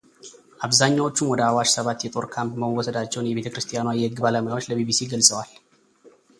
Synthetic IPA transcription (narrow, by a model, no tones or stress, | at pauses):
ʔaβzaɲːawo̞t͡ʃːumwɔd̪əawaʃsəβat̪jɛt̪ʼo̞ɾkʰampməməwɔsəd̪at͡ʃːɛwnjɛβe̞t̪əkɾɨst̪ʰʼijanwajɛhɨɡːbaləməjawo̞t͡ʃːləbibisiɡəlsʼəwal